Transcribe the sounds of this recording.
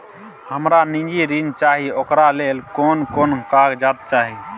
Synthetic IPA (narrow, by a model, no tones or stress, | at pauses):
həmɾanĩd͡ʒiɾint͡ʃaɦiokɾalelkonkonkaɡd͡ʒat̪̚t͡ʃaɦi